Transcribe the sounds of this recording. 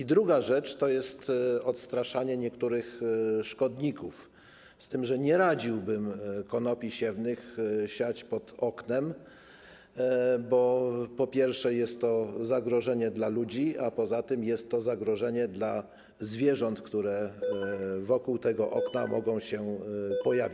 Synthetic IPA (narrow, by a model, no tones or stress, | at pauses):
id̪ɾuɡaʐɛt͡ʂt̪ɔjɛst̪ɔt̪st̪ɾaʂaɲɛɲɛkt̪uɾɘxʂkɔd̪ɲikuf | st̪ɘmʐɛɲɛɾad͡ʑiwbɘmkɔnɔpʲiɕɛvnɘxɕat͡ɕpɔt̪ɔknɛm | bɔpɔpʲjɛɾfʂɛjɛst̪ːɔzaɡɾɔʐɛɲɛd̪lalud͡ʑiapɔzat̪ɘmjɛst̪ːɔzaɡɾɔʐɛɲɛd̪la | zvʲjɛʐɔnt̪kt̪uɾɛ | vɔkuwt̪ɛɡɔʔɔknamɔɡɔ̃w̃ɕɛpɔjavʲit͡ɕ